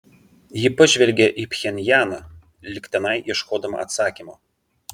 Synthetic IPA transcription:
jɪpɐʒʲʋʲɛlʲɡʲɛʔipʲxʲɛnʲjæːnɐ | lʲɪkʲt̪ʲɛnɐɪʔiʃkoːd̪ɐmɐ̰ɐ̰t̪sɑːkʲimo

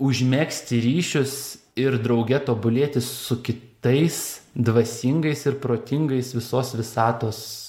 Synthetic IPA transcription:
ʊʒʲmʲæːksʲt̪ʲɪɾʲiːʃʲʊs | ɪɾd̪ɾɒʊɡʲɛt̪oːbʊlʲeːt̪ʲɪssʊkʲɪt̪ɐɪsd̪ʋɐsʲɪŋɡɐɪsɪɾpɾoːt̪ʲɪŋɡɐɪsʋʲɪsoːsʋʲɪsɑːt̪oːs

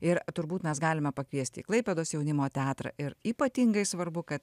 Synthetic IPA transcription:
ɪɾt̪ʊɾbuːt̪mʲɛsɡɑːlʲɪmʲɛpɐkʋʲiɛsʲt̪ʲḭːklˠɐɪpʲɛd̪oːsjɛʊnʲɪmoːt̪ʲɛɑːt̪ɾɐ̰ʔɪɾiːpɐt̪ʲɪŋɡɐɪsʋɐɾbʊkɐt̪

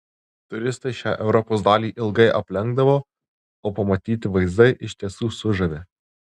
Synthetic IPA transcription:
t̪ʊɾʲɪst̪ɐɪʃʲæːʔɛʊɾɔpoːs̬d̪ɑːlʲiːʔɪlˠɡɐɪʔɐpʲlʲɛŋɡd̪ɐʋoː | oːpɐmɐt̪ʲiːt̪ʲɪʋɐɪzd̪ɐɪʔɪʃʲt̪ʲiɛsuːsʊʒɐʋʲe

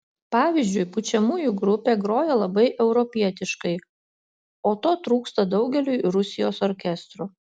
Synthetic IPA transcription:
pɑːʋʲizʲd͡ʒʲʊɪpʊt͡ʃʲɛmuːjuɡɾʊpʲeːɡɾoːjɛlˠɐbɐɪʔɛʊɾɔpʲiɛt̪ʲɪʃkɐɪ | oːt̪oːt̪ɾuːkst̪ɐd̪ɒʊɡʲɛlʲʊɪɾʊsʲɪjoːsɔɾʲkʲɛst̪ɾu

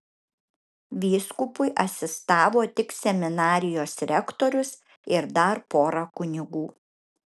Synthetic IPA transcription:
ʋʲiːskʊpʊɪʔɐsʲɪst̪ɑːʋoːt̪ʲɪksʲɛmʲɪnɑːɾʲɪjoːsɾʲɛkt̪ɔːɾʲʊs | ɪɾd̪ɐɾpoːɾɐkʊnʲɪɡuː

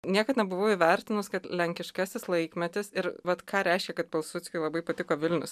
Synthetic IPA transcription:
nʲiɛkɐt̪nʲɛbʊʋɐʊiːʋʲɛɾʲt̪ʲɪnʊskɐt̪lʲɛŋʲkʲɪʃkɑsʲɪslˠɐɪkmʲɛt̪ʲɪsɪɾʋɐt̪kʰɑːɾʲæɪʃʲkʲɛkɐt̪̚pʲɛlˠsʊt͡s̪ʲkʲolˠɐbɐɪpɐt̪ʲɪkoːʋʲɪlʲnʲʊ̰s

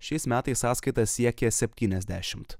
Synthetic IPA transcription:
ʃʲɛɪsmʲæːt̪ɐɪsːɑːskɐɪt̪ɐssʲiɛkʲɛsʲɛpʲt̪ʲiːnʲɛzʲd̪ʲæ̰ːʃʲɪmt̪

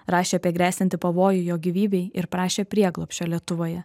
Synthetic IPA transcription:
ɾɑːʃʲeːɐpʲiɛɡɾʲæːsʲt̪ʲɪnt̪ʲɪpɐʋoːjʊjoːɡʲiʋʲiːbʲɛɪɪɾpɾɑːʃʲeːpʲɾʲiɛɡlˠɔpʲʃʲt͡ʃʲoːlʲiɛt̪ʊʋoːjɛ

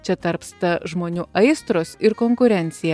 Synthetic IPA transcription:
t͡ʃʲɛt̪ɐɾpst̪ɐʒmoːnʲuːʔɐɪst̪ɾoːsɪɾkoːŋkʊɾʲɛnʲt̪sʲɪjɛ

